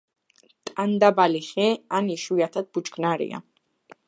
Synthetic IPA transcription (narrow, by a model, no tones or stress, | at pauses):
t̪ʼand̪abaliχɛaniʃujat̪ʰat̪̚b̥ut͡ʃɡʼnaɾḭa̰